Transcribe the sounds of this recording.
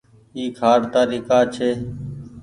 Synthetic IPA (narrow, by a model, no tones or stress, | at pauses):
iːkʰaːɽt̪aːɾiːkaːt͡ʃʰeː